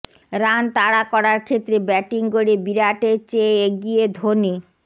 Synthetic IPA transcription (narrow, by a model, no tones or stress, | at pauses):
ɾant̪aɽakɔɾaɾkʰet̪ːɾebɛʈiŋkoɽebiɾaʈet͡ɕeeɡijed̪ʱoni